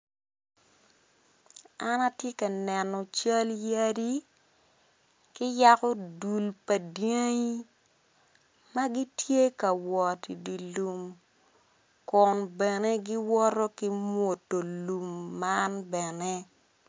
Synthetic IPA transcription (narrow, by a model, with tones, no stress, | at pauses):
a˦na˦tje˦ka˨nɛ˨nɔ˨t͡ʃa˦lja˦di˦ | kɪ˦ja˦kɔ˦du˨lpɐ˨dje˦ŋ˦ | mɐ˦ɡi˦tje˦kɐ˨wɔ˨ti˨di˨lu˨m | kɔ˨nbɛ˨ne˦ɡɪ˦wɔ˦ɾo˦ki˦mwo˨tːo˨lu˨mːa˦nbɛ˨nɛ˦